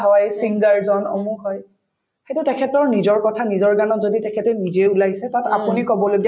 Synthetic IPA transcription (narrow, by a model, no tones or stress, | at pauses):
ɦɔjsiŋɡaɹzɔnɔ̰muxɔj | xetʊtɛkʰɛtɔɹnizɔɹkɔtʰanizɔɹɡanɔtzoditɛkʰɛtɛnizeulajsɛtatapunikɔbɔlodi